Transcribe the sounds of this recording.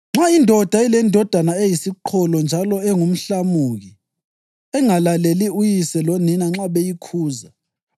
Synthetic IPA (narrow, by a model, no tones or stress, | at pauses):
ŋ͡ǁaindʱɔd̥ʱailɛndʱɔd̥ʱanaejisiǃʰɔlɔnd͡ʒʱalɔɛŋum̩ɬamuɣi | ɛŋalaleliujisɛloninaŋ͡ǁaβejikʰuːza